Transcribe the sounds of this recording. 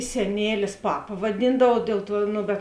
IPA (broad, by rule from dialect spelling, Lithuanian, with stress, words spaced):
sʲɛˈnʲeːlʲɪs ˈpɑːpɐ ʋɐˈdʲiːndɐʋɐʊ ˈdʲeːlˠ ˌtuɔ ˈnoː bʲɛt